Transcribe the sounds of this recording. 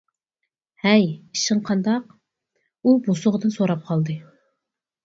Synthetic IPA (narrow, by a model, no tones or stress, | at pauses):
hɛjiʃɨɴqʰɑnd̪ɑq̚ | ubosʊʁəd̪ɨnsoɾɑp̚qʰɑlˠd̪ɨ